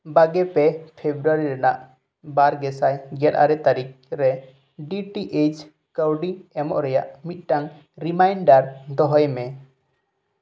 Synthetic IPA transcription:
baɡɛpɛpʰebɾuaɾiɾanaʔ | baɾɡɛsajɡɛt̪a̰ɾɛt̪aɾik̚ɾɛ | ɖiʈiʔed͡ʒ | kəwɖiɛmɔ̰ʔɾɛja̰ʔmit̪̚ˀʈaŋ | ɾimajnɖaɾd̪ɔɦɔjmɛ

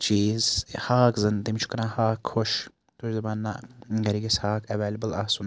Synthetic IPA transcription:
t͡ʃiːzhaːkzɐnt̪imt͡ʃʰu̥kɾãːhaːkʰhoʃ | t̪ʰuʃzɐbaːnːa̰ɡɐɾiɡɐshaːkʰɐʋeːlɐbɐlaːsun

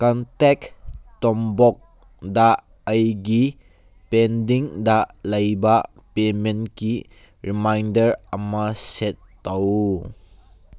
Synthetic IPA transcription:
kɔntɛktɔmbɔk̚ | da | əjɡi | pendiŋdalɐjbɐ | pemenki | ɾimajndɐɾɐmɐsetːɐw

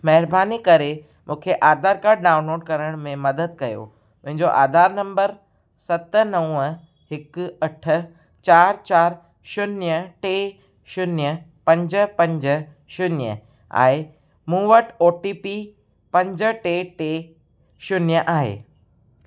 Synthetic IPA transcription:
mɐɦɪɾbaːnikɐɾe | mʔũːkʰeʔaːd̪ʱaːɾkaːɾɖɖaːʊ̃nloːɖ̚kɐɾəɽ̃mẽmɐd̪əd̪̚kɐjo̰ | mʊ̃ɦɪ̃ɲd͡ʑoʔa̰ːd̪ʱaːɾnɐ̃mbəɾ | sɐt̪nɐ̃ə | ɦɪkɐʈʰə̆ | t͡ɕaːɾt͡ɕaːɾ | ʃʊnjəʈeː | ʃʊnjəpɐ̃ɲd͡ʑə̆pɐ̃ɲd͡ʑə | ʃʊnjə̰ | a̰ːe | mũːʋəʈoːʈiːpi | pɐ̃ɲd͡ʑə̆ʈeːʈeː | ʃʊnjəʔaːɦḛː

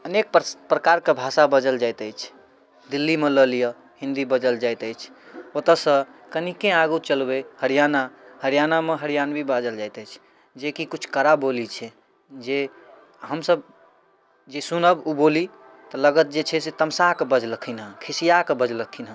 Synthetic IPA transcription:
ənek̚ppɾəkaɾkebʱasabəd͡ʒəld͡ʒajt̪əjt͡ʃʰ | d̪ilːimeləlijə | hĩnd̪ibəd͡ʒəld͡ʒajt̪əjt͡ʃʰot̪əsə̃kənikẽaɡut͡ʃəlbehəɾijanahəɾjanameɦəɾjanbʱibad͡ʒəld͡ʒajt̪əjt͡ʃʰ | d͡ʒekikut͡ʃʰkəɾabolit͡ʃʰɛ | d͡ʒe | ɦəmsəb | d͡ʒesunəbuboli | t̪ɔləɡət̪̚d͡ʒet͡ʃʰɛset̪əmsakebəd͡ʒləkʰinɦə̃kʰisijakebəd͡ʒləkʰinɦə̃

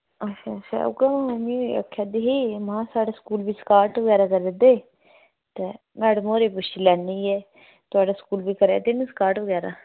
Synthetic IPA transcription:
ət͡ʃʰaːt͡ʃa̰ːʊ̰ɡamãɦoːnioə̰kʰːad̪eːɦiːmãːsaːɖaːskuːlbiːskaːɾʈʋəɡɛːɾaːkəɾed̪eː | t̪eː | mɛːɖəmoːɾeːpʊʃilɛːnːiːɛː | t̪ʊaːɖaːskuːlbiːkəɾḛːt̪ɪnĩsə̥kaːɾʈʋəɡɛːɾa̰ː

